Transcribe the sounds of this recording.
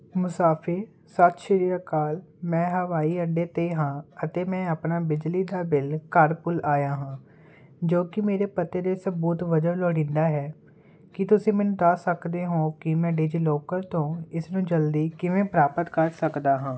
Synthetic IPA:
mʊsaːpʰɪɾ | sət̪ʃɪɾijakaːl | mɛ̃ːɦəʋaːiːəɖeːt̪eːɦãːət̪eːmɛ̃ːəpnaːbɪd͡ʒliːd̪aːbɪlkəɾpʊlaːjaːɦãː | d͡ʒoːkɪmeːɾeːpət̪eːd̪eːsəbuːt̪ʋəd͡ʒəʋlɔːɽĩːnd̪aːɦɛː | kɪt̪ʊsĩːmɛːnũːd̪aːsəkd̪eːɦõːkɪmɛ̃ːɖeːd͡ʒiːloːkəɾt̪õːɪsnũːd͡ʒəld̪iːkɪʋẽːpɾaːpət̪kəɾsəkd̪aːɦãː

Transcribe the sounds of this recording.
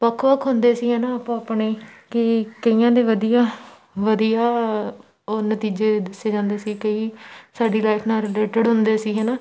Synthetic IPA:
pəkʰʋəkʰɦʊnd̪eːsiːɦɛːnaːaːpãːapɳeːkɪkəiːãːd̪eːʋəd̪ijaː | ʋəd̪ijaː | oːnət̪iːd͡ʒeːd̪ɪsːeːd͡ʒãːnd̪eːsiːkəiːsaːɖiːlaːɪfʰnaːɾɪleːʈəɖɦʊnd̪eːsiːɦɛːnaː

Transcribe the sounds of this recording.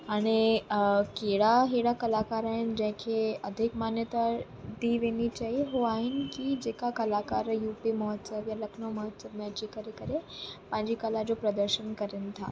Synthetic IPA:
aɽ̃i | keɽaɦeɽakəlakaɾaɦind͡ʑɐ̃ɦɪ̃kʰeəd̪ʱikmanjət̪a | d̪iːʋenit͡ɕaɦiɦoaɦinkid͡ʑekakɐlakaɾjuːpiməɦət̪səʋjaləkʰnoməɦət̪səʋmjat͡ɕikəɾekəɾepãɦɪ̃ɲd͡ʑiːkəlad͡ʑopɾəd̪əɾɕənkəɾint̪ʰa̰

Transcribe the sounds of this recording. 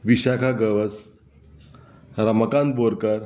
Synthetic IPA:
ʋiɕakʰaɡəʋəs | ɾəməkan̚boɾkəɾ

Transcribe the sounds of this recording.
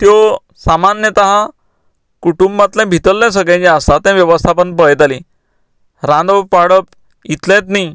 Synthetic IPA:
t̪jɔ | samanjət̪aɦã | kuʈumbat̪lɛ̃bʱit̪əlːɛ̃s̬əɡɭɛ̃t͡ɕɛ̃əst̪at̪jãʋjəʋəst̪ʰapəɳbəjt̪alĩ | ɾãnd̪əpaɽəp | it̪lẽt̪ni

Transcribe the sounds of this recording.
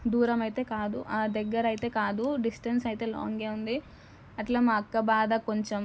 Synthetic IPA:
d̪uːɾɐmɐjit̪e̞ːkaːd̪uʔaːd̪ɐɡːɐɾɐjit̪e̞ːkaːd̪uɖisʈɐnsɐjt̪e̞ːla̰ːŋɡe̞ːund̪i | ɐʈlaːmaːɐkːɐbaːd̪ɐko̞ɲt͡ʃem

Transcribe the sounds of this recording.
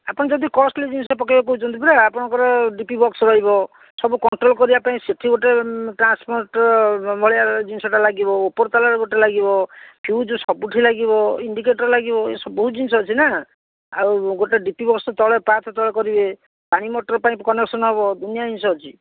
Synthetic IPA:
apɔɽ̃id͡ʒɔd̪ikɔsʈlid͡ʒinsɔpɔkabɔk̬oɦut͡ʃʰɔnt̪ipɔɾeapɔɽ̃ɔŋkɔɾɔɖipibɔksɾɔɦibɔ | sɔbukɔɳʈɾolkɔɾibapaĩseʈʰiɡoʈeʈɾanspoɾʈbʱɔɭiad͡ʒinsɔʈalaɡibɔopɔɾt̪alaɾeɡoʈelaɡibɔpʰjud͡ʒusɔbuʈʰilaɡibɔiɳɖikeʈɔɾlaɡibɔḛsɔbɔɦud͡ʒinsɔɦɔt͡ʃʰina | a̰uɡoʈeɖipibɔkst̪ɔɭepat̪ʰɔt̪ɔɭekɔɾibe | paɽ̃imɔʈɾpaĩkɔneksɔnɦebɔd̪unijad͡ʒinsɔɦɔt͡ʃʰi

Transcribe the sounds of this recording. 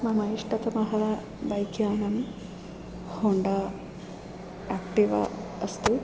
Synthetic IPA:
mɐmɐjiʂʈɐt̪ɐmɐɦɐ | bɐjkjaːnɐm | hoɳɖɐ | aːkʈiʋɐ̰ɐst̪u

